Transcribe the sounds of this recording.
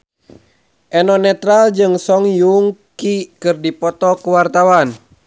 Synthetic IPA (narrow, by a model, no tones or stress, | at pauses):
ʔɛnɔnɛt̪ɾald͡ʒɨŋsɔŋjuŋkikɨrdipɔt̪ɔkuwart̪awan